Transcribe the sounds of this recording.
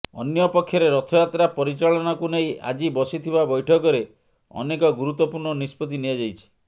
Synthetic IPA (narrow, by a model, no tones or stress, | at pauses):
ɔ̰njɔpɔkʰːjɔɾeɾɔt̪ʰɔjat̪ɾapɔɾit͡ʃaɭɔnakuneĩʔa̰d͡ʒibɔsit̪ʰibabɔjʈʰɔkɔɾe | ɔ̰nekɔɡuɾut̪ːɔpuɾɳɔnispɔt̪̬iniad͡ʒajt͡ʃʰi̥